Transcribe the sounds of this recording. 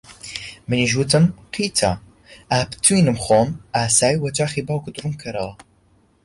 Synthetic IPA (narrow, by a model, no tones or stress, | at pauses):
mɨniʒuːt̪ʰɨmqʰiːt̪ʰa̰ | aːpt̪ʰːuinɨmχoːmaːsaːjwɐt͡ʃaːxibawkʰʊd̪ɾumkʰɐɾɐlˠ